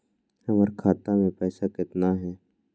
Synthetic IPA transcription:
həməɾkʰaːt̪amẽpɛːsakɪt̪naɦɛː

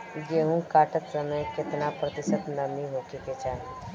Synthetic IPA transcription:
jeːɦũkaːʈət̪səməjkɪt̪napɾət̪ɪsət̪nɐmiɦoːkeket͡ʃaːɦe

